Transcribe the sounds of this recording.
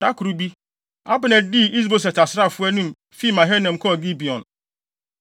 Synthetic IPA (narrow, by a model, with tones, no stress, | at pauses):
dã˦kʰu˨ɾu˨bi˦ | a˦bnɛ̃˨d̚di˦i˦z̬bo˨sɛ˨ta˨sɾa˦˨fʊ˦ɛ˦nũ˦m | fi˦˨mã˨ɦɛ˦nɛ̃˨m̩˨kʰɔ˦˨ɡi˦bi˨ɔ̰̃˨n